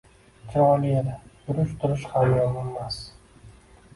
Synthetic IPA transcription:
kʲʰɪɾɒlɪjed̪at̪ʊɾʊʃt̪ʰʊɾɪʃhamjɒnɪmas

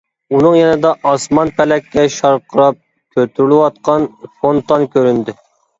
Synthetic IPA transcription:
unɨŋjɛnɨd̪ɑʔɑsmɑnpʰɛlɛkʲʰːɛʃɑɾqʰəɾɑp̚ | kʲʰøt̪ʰyɾlɪwɑt̪̚qʰɑnfont̪ɑnkʲʰøɾynd̪ɪ

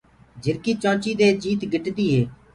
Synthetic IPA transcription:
d͡ʒɪɾkiːt͡ʃãːt͡ʃiːd̪eːd͡ʒiːt̪ɡʱɪʈd̪iːɦeː

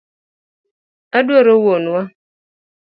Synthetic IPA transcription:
aduaɾowonua

